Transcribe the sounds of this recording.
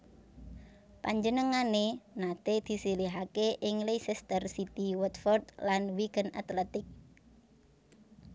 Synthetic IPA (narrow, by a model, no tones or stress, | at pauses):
paɲd͡ʒənəŋanenat̪ed̪̥i̤siliɦakeʔɪŋlesɛst̪ərsit̪iwət̪fɔrd̪lanwikəna̰t̪lɛt̪ɪk̚